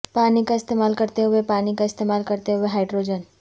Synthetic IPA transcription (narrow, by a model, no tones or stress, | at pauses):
paːnikaɪst̪eːmaːlkɐɾt̪eɦʊepaːnikaɪst̪eːmaːlkɐɾt̪eɦʊeɦaːɪɖɾoːd͡ʒən